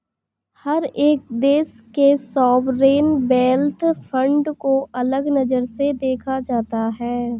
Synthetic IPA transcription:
hɐɾeːk̚d̪eːs | kesɔːbɾeːnbɛːlt̪ʰfʰə̃ɳɖkoʔɐləɡnɐd͡ʒəɾsed̪eːkʰad͡ʒaːt̪aɦɛː

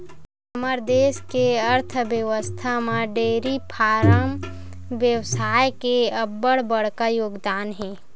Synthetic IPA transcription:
əməɾd̪eːskeəɾt̪ʰbjəʋəst̪ʰamãɖeːɾipʰaːɾəm | ʋjəwsaːjkeəbːəɽbəɽ̤kajoːɡd̪aːnɦɛ̃ː

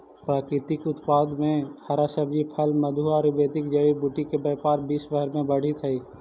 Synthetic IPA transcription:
pɾaːkɾɪt̪ɪkʊt̪paːd̪mẽhɐɾasəbd͡ʒipʰəlmɐd̪ʱuaːɾbeːt̪ɪkd͡ʒɐʋibuʈikebəːpaːɾbiːsʋəɦəɾmẽbəɽ̤it̪ʰɐiː

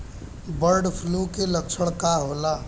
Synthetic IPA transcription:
bəɾɖpʰlukeləkt͡ʃʰəɽ̃kaɦola

